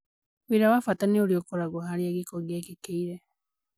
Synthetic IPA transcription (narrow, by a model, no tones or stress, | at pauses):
wiɾawafatanioɾiokoɾaɣohaɾieɡikɔɣjakikeiɾɛ